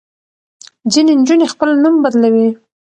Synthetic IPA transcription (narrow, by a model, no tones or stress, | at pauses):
zinend͡ʒunexpəlnumbad̪lawi